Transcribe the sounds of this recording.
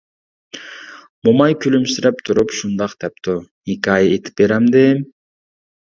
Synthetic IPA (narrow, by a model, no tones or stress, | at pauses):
mumɑjkʲʰylymsiɾep̚t̪ʰuɾupʃund̪ɑqt̪ʰɛp̚t̪o | ikʲajet̪ʰi̥p̚beɾamd̪em